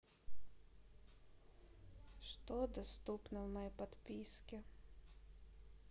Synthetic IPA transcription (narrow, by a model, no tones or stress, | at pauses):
ʂt̪od̪ɐst̪upnəvmɐjejpɐt̪pʲiskʲɪ